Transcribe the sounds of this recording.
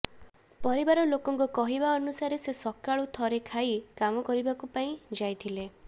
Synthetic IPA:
pɔɾibaɾɔlokɔŋkukɔɦibaɔnusaɾesesɔkaɭut̪ʰɔɾekʰaikamɔkɔɾibakupaĩd͡ʒajt̪ʰile

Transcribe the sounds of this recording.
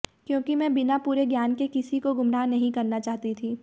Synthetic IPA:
kjõːkimɛ̃ːbɪnapuːɾeɡjaːnkekɪsikoɡʊmɾaːnɐɦĩkɐɾnat͡ʃaːɦt̪it̪ʰiː

